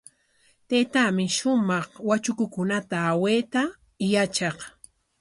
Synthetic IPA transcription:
t̪eːt̪amɪʃʊmɑχwat͡ʃʊkʊkʊnat̪aːweːt̪a | jat͡ʃɑq

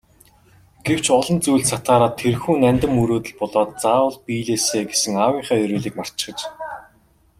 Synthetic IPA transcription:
ɡ̥ew̥t͡ɕɔɮɞ̆nt͡sujɮsat̪aːɾaːt̪ʰːerxuːnænʲt̪ɘ̆muɾoːt̪ɘ̆ɮpɔɮɔːt̪̚t͡saːwə̆ɮpiːɮeːseːɡesɘ̆ŋawiːɴχæːɵɾuːɮiːk̚mar̥t͡ɕt͡ɕɪ̥̆χə̆t͡ɕ

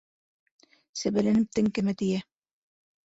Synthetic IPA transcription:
sɘbælɘnɘ̆p̚t̪ɘŋkɘmæt̪ijæ

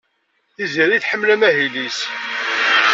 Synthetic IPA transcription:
iziɾiθħəmːlæmæɦilis

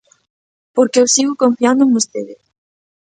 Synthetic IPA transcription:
poɾkeewsiɣʊkõɱfiãnd̪ʊeŋbost̪eðɪ

